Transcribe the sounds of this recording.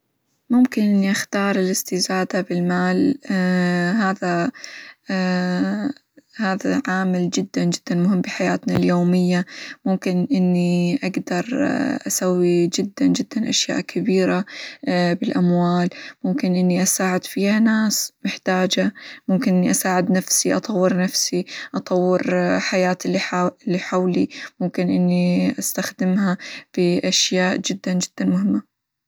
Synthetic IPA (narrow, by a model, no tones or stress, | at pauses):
mʊmkɪnʔɪnːiʔaxt̪ɑːɾˤɪlɪst̪ɪzaːd̪abɪlmaːl | ɦaːða | haːðaʕaːmɪld͡ʒɪd̪ːand͡ʒɪd̪ːanmʊɦɪmːbɪħajaːt̪naljoːmɪjːamʊmkɪnʔɪnːiʔaɡd̪ɑɾˤʔasawːid͡ʒɪd̪ːand͡ʒɪd̪ːanʔaʃja̰ːʔkʰabiːɾa | bɪlʔamwaːlmʊmkɪnʔɪnːiʔasaːʕɪd̪fiːhanaːsmɪħt̪aːd͡ʒamʊmkɪnʔɪnːiʔasaːʕɪd̪nafsiʔɑt̪ˤɑwːɪɾnafsiʔɑt̪ˤɑwːɪɾħajaːt̪ːɪlːiħawlimʊmkɪnʔɪnːiʔast̪axd̪ɪmhab̥ɪʔaʃjaːʔd͡ʒɪd̪ːand͡ʒɪd̪̥ːanmʊhɪmːa